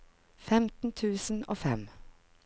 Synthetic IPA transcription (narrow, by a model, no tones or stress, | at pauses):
fɛmt̪n̩t̪ʰʉːsn̩oːfɛm